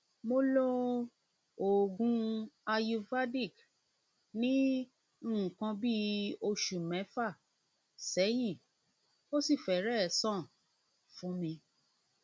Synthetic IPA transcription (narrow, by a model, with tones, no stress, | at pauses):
mo˧lo˦ | o˨ɡũ˨˦a˧ju˧va˦di˦˨k | nĩ˦˨ | ũ˨kã˧bi˦o˧ʃu˨mɛ̃˨˦fa˦˨ | sɛ˨˦ji˦˨ | o˦si˦˨fɛ˨ɾɛ˦˨˦sã˦˨ | fũ˨˦mĩ˧